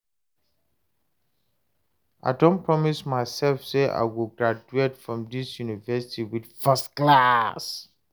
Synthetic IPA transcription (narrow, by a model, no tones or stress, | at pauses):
ʔa̰ɪdõnpʰɹɔmismaɪsɛlfseʔa̰ɪwilɡɹad͡ʒuetfɹɔ̃mdisjunivɛsi̥tʰiwid̥fɛstklas